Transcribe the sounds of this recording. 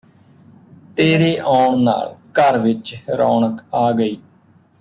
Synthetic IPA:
t̪eːɾeːʔaːɳna̰ːlkəɾʋɪt͡ʃɾɔ̰ːɳəkaːɡəiː

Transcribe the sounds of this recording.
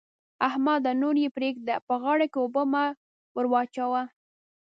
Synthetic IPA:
ahmɑd̪anoɾjepɾekd̪əpəɣɑɽakeobəma | wəɾwɑt͡ʃawa

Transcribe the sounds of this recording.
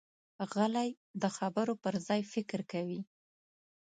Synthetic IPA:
ɣəlaj | d̪əxabəɾopəɾzɑjfɪkɾkawi

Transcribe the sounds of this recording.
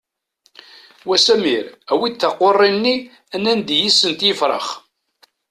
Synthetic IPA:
wæsæmiɾæwit̪ːɑqːorˤːinːi | ænænd̪jisːənt̪jəfɾˤə̰χ

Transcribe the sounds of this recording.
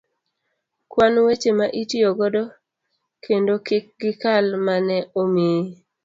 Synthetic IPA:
kwanwet͡ʃemaʔitioɡɔdɔ | kʰendokɪk̚ɡɪkalmanɛomi

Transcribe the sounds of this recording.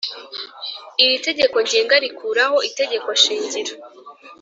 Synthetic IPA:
iɾite̞ɟe̞ko̞ɲɟeːŋɡaɾikʰuɾaho̞ite̞ɟe̞koʃiːɲɟiɾa

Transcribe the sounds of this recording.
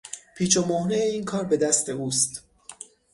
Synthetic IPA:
pʰiːt͡ʃʰomohnejeiːnkʰɒːɾbe̞d̪æst̪e̞uːst̪

